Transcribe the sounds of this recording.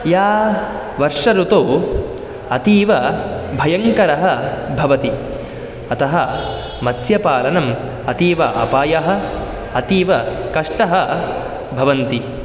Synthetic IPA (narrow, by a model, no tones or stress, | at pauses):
jaː | ʋɐɾʂɐɾut̪oː | ɐt̪iːʋɐbʱɐjɐŋkɐɾɐɦɐ̆bʱɐʋɐt̪i | ɐt̪ɐɦɐ | mɐsjɐpaːlɐnɐm | ɐt̪iːʋɐʔɐ̰paːjɐɦɐ̆ | ɐt̪iːʋɐkɐʂʈɐɦɐ | bʱɐʋɐnt̪i